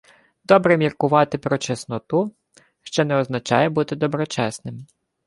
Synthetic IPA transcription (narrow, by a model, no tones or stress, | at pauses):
d̪ɔbɾɛmʲirkʊʋɑt̪ɪpɾɔt͡ʃesnɔt̪u | ʃt͡ʃɔnɛɔznɐt͡ʃɑ̰jɛbut̪ɪd̪ɔbɾɔt͡ʃɛsnɪm